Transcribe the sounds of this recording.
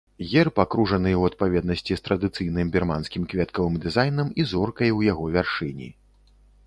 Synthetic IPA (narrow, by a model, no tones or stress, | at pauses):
ɣʲɛrpakɾuʐɐnɨwɐt̪̚pavʲɛd̪̚nɐsʲt͡sʲist̪ɾɐd̪ɨt̪sɨjnɨmbʲirmanskʲimkvʲɛt̪kɐvɨmd̪ɨzajnɐmizɔrkɐjwjaɣɔvʲarʂɨnʲḭ